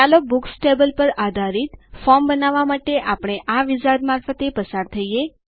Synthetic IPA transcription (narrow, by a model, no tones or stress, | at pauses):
alok̚buksʈebəlpəɾad̪ʱaɾit̪fɔɾmbənaʋamaʈeʔapɳ̃eʔaʋid͡ʒad̪maɾfət̪epəsaɾt̪ʰəie